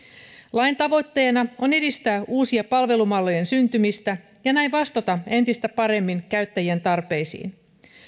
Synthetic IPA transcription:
lɑjnt̪ɑʋo̞jt̪ːe̞ːnɑo̞ne̞dist̪æːʔuːsiepɑlʋe̞lumɑlːo̞jensynt̪ymist̪æ | jɑnæjʋɑst̪ɑt̪ɑe̞nt̪ist̪æpɑɾe̞mːiŋkæɥt̪ːæjiænt̪ɑrpe̞jsḭːn

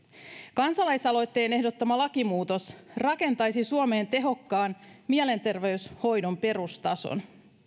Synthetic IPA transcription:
kɑnsɑlɑjsɑlo̞jt̪ːe̞ːne̞ɦdo̞t̪ːɑmɑlɑkimuːt̪o̞srɑke̞nt̪ɑjsisuome̞ːnt̪e̞ɦo̞kːɑːnmiele̞nt̪e̞rʋe̞ysho̞jdo̞mpe̞ɾust̪ɑso̰n

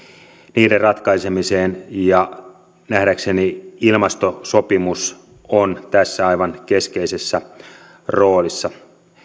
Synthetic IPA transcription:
niːderrɑt̪kɑjse̞miseːnjɑ | næhɾækse̞niilmɑst̪oso̞pimus | ont̪æsːæɑjʋɑnke̞skejse̞sːæ | ro̞ːlisːɑ

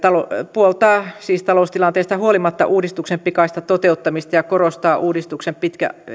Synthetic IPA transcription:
t̪ɑlopuolt̪ɑːsiːst̪ɑloˑust̪ilɑnt̪eːst̪ɑhuolimɑt̪ːɑ̰ʔuːdist̪uksempikɑist̪ɑt̪ot̪eut̪ːɑmist̪ɑjɑkorost̪ɑːʔuːdist̪uksempit̪kæ̰

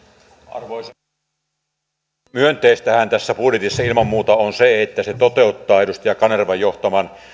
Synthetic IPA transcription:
ɑ̰rʋoˑis | myønt̪eist̪æhænt̪æsːæpurjet̪isːɑilmɑmmuːt̪ɑonseet̪ːæset̪ot̪eˑut̪ːɑːeɾust̪ɑjɑkɑnerʋɑjoht̪ɑmɑn

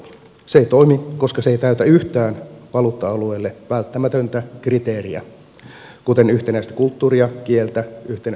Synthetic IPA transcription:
seeit̪o̞imiko̞skɑseit̪æyt̪æyht̪æːnʋɑlut̪ːɑɑlueːlːeʋælt̪ːæmæt̪ønt̪ækrit̪e̞ːriæ̰ | kut̪e̞nyht̪enæist̪æ̥kult̪ːuːɾiɑkielt̪æyht̪en

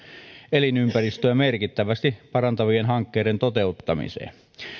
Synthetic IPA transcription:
elinympærist̪øːmerkit̪ːæʋæst̪ipɑrɑnt̪ɑʋienhɑŋkːeːɾent̪ot̪eut̪ːɑmḭsḛːn

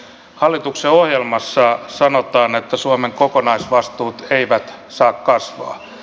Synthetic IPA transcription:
hɑlːit̪ukseohjelmɑsːɑsɑnot̪ɑːnet̪ːæsuɑmeŋkokonɑisʋɑst̪uːt̪eiʋæt̪sɑːkkɑsʋɑ̰ː

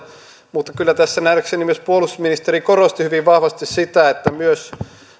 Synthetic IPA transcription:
mut̪ːɑkylːæt̪æsːænæreksenimyøspuolusminist̪erikorost̪ihyʋiʋʋɑhʋɑst̪issit̪æet̪ːæmyøs

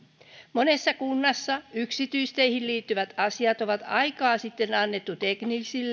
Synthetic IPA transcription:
monesːɑkunːɑsːɑyksit̪yist̪eihilliːt̪ːyʋæt̪ɑsiɑt̪oʋɑt̪ɑ̰ikɑːsit̪ːe̞nɑnːet̪ːut̪eknisilː

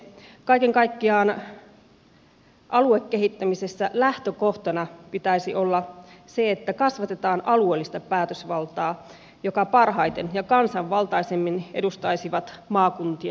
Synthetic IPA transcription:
kɑikeŋkɑikːiɑːn | ʔɑluekːeɦit̪ːæmisesːælæht̪økoht̪ɑnɑpit̪æisiʔolːɑseet̪ːækɑsʋɑt̪et̪ɑːnɑluelːist̪ɑpæːt̪øsʋɑlt̪ɑː | jokɑpɑrɦɑjt̪enjɑkɑnsɑʋʋɑlt̪ɑisemːinedust̪ɑisiʋɑt̪mɑːkunt̪iɑ

